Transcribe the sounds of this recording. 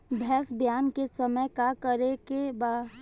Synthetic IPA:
bʱɛːsbjaːnkesəməjkakəɾekebaː

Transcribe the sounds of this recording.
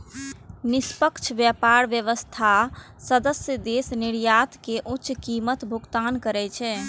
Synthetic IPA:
nispəkt͡ʃʰʋjapaɾʋjəʋəst̪ʰa | səd̪əsjəd̪esniɾjat̪keʔuːt͡ʃkimət̪bʱuɡt̪ankəɾɛt͡ʃʰɛ

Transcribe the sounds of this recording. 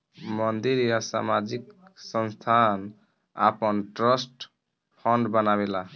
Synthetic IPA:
mʌnd̪iɾjasa̰mad͡ʒiksʌnst̪ʰan | a̰pʌnʈɾʌsʈ | pʰʌɳɖbʌnabela

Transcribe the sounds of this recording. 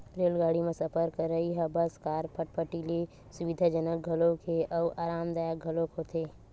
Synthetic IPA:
ɾeːlɡaːɽimẽsɐpəɾkəɾːəiɦɐbɐskaːɾpʰəʈ̚pʰəʈile | sʊʋɪd̪ʱaːd͡ʒənək̚ɡʱɐlõkʰeʔɔːaːɾaːmd̪aːjak̚ɡʱɐlõkɦot̪eː

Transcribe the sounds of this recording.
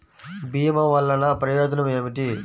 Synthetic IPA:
biːmɐʋɐlːɐnɐpɾɐjoːd͡ʒnɐmeːmiʈi

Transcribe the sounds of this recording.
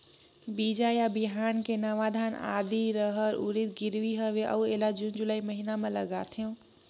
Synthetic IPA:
bid͡ʒajabiɦankenəʋad̪ʱana̰d̪iɾəɦəɾuɾit̪̚ɡiɾʋiɦəʋeʔə̰uelad͡ʒund͡ʒulaːiməɦinamẽləɡat̪ʰiũ

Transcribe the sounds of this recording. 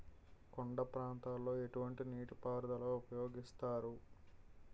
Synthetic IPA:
koɳɖɐpɾaːnt̪aːlːo̞ːe̞ʈuʋɐɳʈiniːʈipaːɾd̪ɐloːupɐjo̞ːɡist̪aːɾu

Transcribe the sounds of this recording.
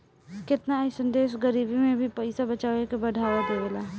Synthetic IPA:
kɪt̪nasə̃nd̪eːʃɡəɾiːbʱimẽbʱipɐɪsabət͡ʃaːwekebəɽʱaːʋad̪eɡəlaː

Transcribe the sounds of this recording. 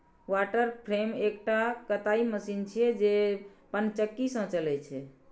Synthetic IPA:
waʈəɾpʰɾemekʈakət̪aiməsint͡ʃʰijɛd͡ʒepənt͡ʃəkːisə̃t͡ʃəlɛt͡ʃʰɛ

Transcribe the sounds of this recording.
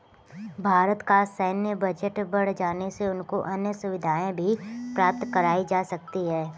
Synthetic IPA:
bʱaːɾət̪kasəːnjəbɐd͡ʒəʈbɐɽ̤d͡ʒaːneseʊnkoʔɐnjəsʊʋɪd̪ʱaːẽbʱipɾaːp̚t̪kəɾaːid͡ʒaːsɐk̚t̪iɦɛː

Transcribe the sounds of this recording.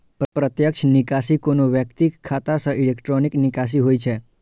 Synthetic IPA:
ppɾət̪jəkʃnikasikonoʋjəkt̪ikkʰːat̪asəilekʈɾoniknikas̬iɦojt͡ʃʰe

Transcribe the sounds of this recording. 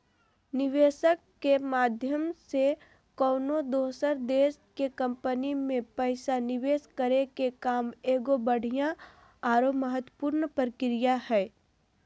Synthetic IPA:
nɪʋeːʃəkːemaːd̪ʱjəmse | kɔːnod̪oːsəɾd̪eːskekɐ̃mpənimẽpɛɪsanɪʋeːskəɾekekaːmeːɡobəɽ̤ʱijã | aːɾoməɦət̪wə̥puːɾnpəɾkɪɾijaɦɛː

